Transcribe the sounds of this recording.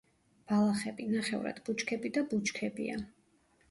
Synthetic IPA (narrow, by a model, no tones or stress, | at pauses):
b̥alˠaχɛbinaχɛ̰vɾa̰d̪but͡ʃkʰɛbid̪abut͡ʃkʰɛbḭa